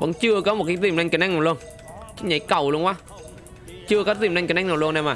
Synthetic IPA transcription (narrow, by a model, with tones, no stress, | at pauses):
və̰˧˥nt͡ɕɨ˧əkɔ˨˦mo˨˩kaː˨˦j̚zi˧˩mna˧ŋ̟kə˧˩nʔŋna˨˩lwən | t͡ɕi˦˥k̚ɲa˨˦jkə˧˩wlu˧ənʔwaː˨˦ | t͡ɕɨ˧əkɔː˨˦˥zḭ˧˨˩mna˧ŋkn˧ŋ̟naː˨˩lu˧ənːa˧maː˨˩